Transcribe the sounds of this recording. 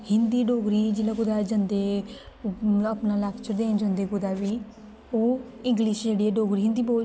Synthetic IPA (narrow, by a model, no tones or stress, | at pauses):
hɪnd̪iːɖoːɡɾiːd͡ʒeːlaːɡʊd̪aːd͡ʒənd̪eː | əːpnaːlakʰt͡ʃəɾd̪eːnd͡ʒə̃nd̪eːɡʊd̪aːʋiː | oː | ɪ̃ŋɡlɪʃd͡ʒeːɽiːɛːɖoːɡɾiːɦɪ̃nd̪iːboː